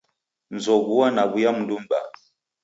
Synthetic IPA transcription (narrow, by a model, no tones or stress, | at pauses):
n̩zɔbuwanabujamn̩dumba̰